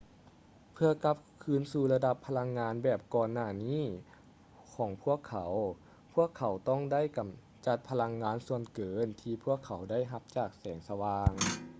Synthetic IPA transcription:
pʰɯ˧ɐka˧˥p̚kʰɯː˧˥nsuː˧˩la˧da˧pʰːa˧la˧ŋːaː˧˥nbɛː˨˩p̚kɔː˧nːaː˧˩niː˥˨ | kʰɔː˨˩˦ŋpʰu˥˩əkʰːa˨˩˦w | pʰu˧˥˩əkʰːa˨˩˦wt̪ɔ˥˩˨ŋda˥˨jka˨˦m | t͡ɕa˧˦t̪̚pʰa˧la˧ŋːaː˧˥nsu˧ənkɤː˨˦nt̪ʰiː˧pʰu˥˩əkʰːa˨˦wda˥˩jɦa˧p̚t͡ɕaː˨˩k̚sɛː˩˦ŋsa˧waː˧ŋ

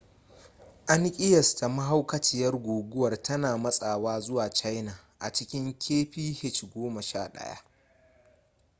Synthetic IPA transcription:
ʔa˦ŋkʲʼɪ˦jɐ˨stʰa˨mɐ˦ɦa˦wkɐ˦t͡ʃɪ˨jɐ˦rɡʷoː˨ɡʷʊ˦wɐ˨rtʰɐ˦naː˨mɐ˦sʼaː˨waː˦zʊ˦waː˨t͡ʃa˦jna˨ʔa̰˨t͡ʃɪ˦kʲɪ˦ŋkʲʰeː˦ɸiː˦hɪ˦t͡ʃɡʷoː˦mɐ˨ʃa̰ː˦ɗɐ̰˦ja̰˦ʔ

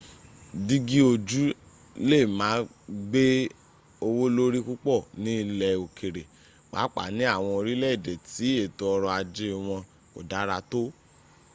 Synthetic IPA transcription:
di˦ɡi˦o˧d͡ʒu˦ | le˦˨mãː˨˦ | ɡ͡be˦ | o˧wo˦lo˦ɾi˦ku˦k͡pɔ˦˨nĩ˨˦˧lɛ˧o˨kʰe˨ɾe˨ | k͡pa̰˨˦k͡pa̰˨nĩ˦a˦˨w̃ɔ̃˧o˧ɾi˦lɛ˦i˦˨dɛ˨ti˨˦e˦˨to˧ɔ˧ɾɔ˧a˧d͡ʒe˦ɔ˧w̃ɔ̃˧ | ko̰˨da˨˦ɾa˧to˦

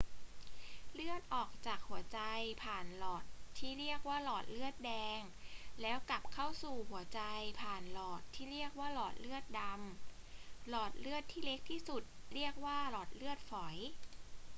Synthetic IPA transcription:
lɯ˥˩ət̪̚ʔɔː˨˩k̚t͡ɕaː˨˩k̚hu˩˦ɐt͡ɕa˧jpʰaː˨˩nlɔː˨˩t̪̚ʰːiː˥˩ɾi˥˩ək̚waː˥˩lɔː˨˩t̪̚lɯ˥˩ət̪̚dɛː˧ŋ | lɛː˦˥wka˨˩p̚kʰa˥˩wsuː˨˩hu˨˩˦ɐt͡ɕa˧jpʰaː˨˩nlɔː˨˩t̪ʰːiː˥˩ɾi˥˩ək̚waː˥˩lɔː˨˩t̪̚lɯ˥˩ət̪̚da˧m | lɔː˨˩t̪̚lɯ˥˩ət̪ʰːiː˥˩le˦˥k̚t̪ʰiː˥˩su˨˩t̪̚li˥˩ək̚waː˥˩lɔː˨˩t̪̚lɯ˥˩ət̪̚fɔ˩˦j

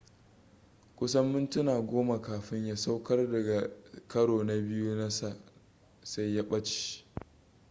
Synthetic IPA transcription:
kʷʊ˦s̬ɐ˦mːʊ˦ntʊ˦naː˨ɡʷoː˦ma˨kaː˨ɸɪ˦ɲja˦sa˦wkɐ˦rdɐ˨ɡa˨kɐ˦ɽoː˨na˨bɪ˦ju˦na˦sa˨ | sa˦jja˦ɓɐ˦t͡ʃi̥˦

